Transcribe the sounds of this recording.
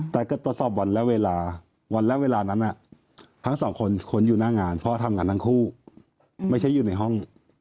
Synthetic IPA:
t̪ɛː˨˩kɔ˥˩t̪ːu˨˩t̪sɔː˨˩p̚wa˧nlɛ˦˥ʔweː˧laː˧ | wa˧nlɛː˦˥weː˧laː˧na˦˥nʔa˨˩ | t̪ʰa˦˥ŋsɔː˨˩˦ŋkʰo˧nkʰo˧njuː˨˩naː˥˩ŋaː˧npʰɔ˦˥t̪ʰa˧mŋaː˧nt̪ʰa˦˥ŋkʰuː˥˩ | ma˥˩jt͡ɕʰa˦˥˩juː˨˩na˧jɦɔ˥˩ŋ

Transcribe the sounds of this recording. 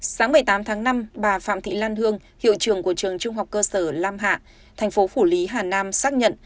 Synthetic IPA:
saː˨˦ŋmɨ˨˩əjt̪aː˨˦mt̪ʰaː˨˦ŋna˧mɓaː˨˩fa̰ː˧˨mt̪ʰḭ˧˨laː˧nhɨ˧əŋ | hḭ˧˨wt͡ɕɨ˨˩əŋku˧˩ət͡ɕɨ˨˩əŋt͡ɕʊ˧ŋ͡mɦa˨˩wk͡p̚kəː˧səː˧˩laː˧mɦa̰ː˧˨ | t̪ʰɛ˨˩jŋ̟fo˨˦fu˧˩li˨˦ɦaː˨˩naː˧msaː˦˥k̚ɲə̰˧˨n

